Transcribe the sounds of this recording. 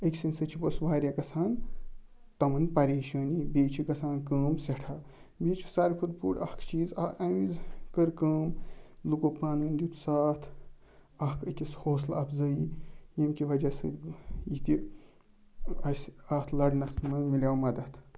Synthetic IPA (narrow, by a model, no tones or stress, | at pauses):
ɐkʲsinsɨt͡ʃʰiposʋaːɾʲjaːkɐsʰaːn | t̪ɐmɐnpɐɾeːʃɐːniːbeːt͡ʃʰikɐsaːnkəːmseʈʰaː | beːt͡ʃʰi̥sɐɾkʰud̪̚pṵːɽɐhkʰt͡ʃiːzɐɐ̃izkəɾkəːmlukopaːnuːnd̪ʲut̪ʰu̥saːt̪ʰ | ɐkʰəkʲishoːslɐpzɐijɐmkiʋɐd͡ʒɐsɨjit̪i | ɐsʲaːt̪ʰlɐɽnɐst̪mɐnmilʲjaːwmɐd̪ɐt̪